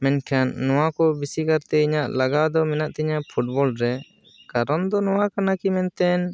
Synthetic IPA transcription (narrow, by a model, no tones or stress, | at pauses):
mɛɲkʰanːɔwakɔbisikaɾt̪ɛiɲaʔlaɡad̪ɔmɛnaʔt̪ɛiɲaʔpʰuʈ̚bɔlɾɛ | kaɾɔnd̪ɔnɔwakanakimɛnt̪ɛn